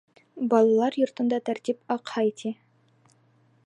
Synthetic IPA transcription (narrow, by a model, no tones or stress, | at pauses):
bɒlˠɑlˠɑɾjŏɾt̪ɤ̆nd̪ɑt̪æɾt̪ipɑqhɑit̪ʰi